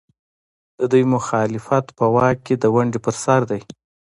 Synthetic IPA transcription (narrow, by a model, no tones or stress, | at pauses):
d̪̥əd̪ujmʊxɑlɪfat̪pəwɑkːed̪əwaɳɖepəɾsaɾd̪aj